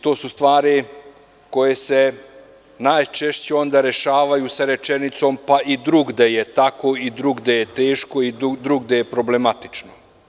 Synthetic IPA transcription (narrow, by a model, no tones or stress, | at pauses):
t̪o̞ːsust̪ʋaːɾi | ko̞je̞se̞ | naːjt͡ʃe̞ʃt͡ɕeo̞nd̪aɾe̞ʃaːʋajusaɾe̞t͡ʃenit̪so̞mpaid̪ɾuɡd̪ejet̪ako̞id̪ɾuɡd̪eje̞t̪e̞ːʃko̞id̪ɾuɡd̪ejepɾo̞ble̞mat̪i̥t͡ʃno